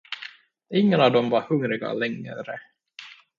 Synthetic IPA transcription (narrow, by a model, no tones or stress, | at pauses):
ɪŋːənɑvd̪ɔmvaɾhɵŋɾɪɡa̰lɛŋɾə